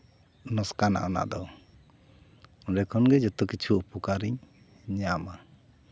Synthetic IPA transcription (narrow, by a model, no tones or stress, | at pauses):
nɔskana̰ʔɔna̰ʔd̪ɔw | ɔɖɛkʰɔnɡɛd͡ʒɔt̪ɔkit͡ʃʰuːpukaɾiɲ | ɲama